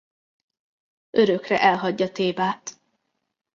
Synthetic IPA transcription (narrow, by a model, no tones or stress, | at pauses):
øɾøkrɛʔɛlɦɒɟːɒt̪eːbaːt̪